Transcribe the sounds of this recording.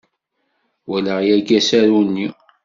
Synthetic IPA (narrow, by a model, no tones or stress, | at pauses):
wælæʁjæɡæsæɾunːi